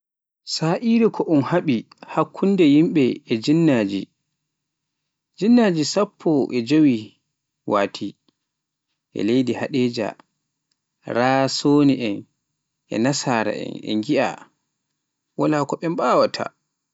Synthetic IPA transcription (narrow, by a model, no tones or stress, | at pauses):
saːʔiɾikʰɔʔunhaɓi | hakʰːundɛjimɓɛɛd͡ʒinːaːd͡ʒḭ | d͡ʒinːaːd͡ʒisapʰːɔʔɛd͡ʒowi | waːtʰi | ʔɛ̰lejdihaɗeːd͡ʒa̰ | ɾasoːniʔɛn | ʔɛ̰nasaːɾa̰ʔɛ̰nɛ̰ŋɡiʔa̰ | walaːkɔɓɛmɓaːwatʰa̰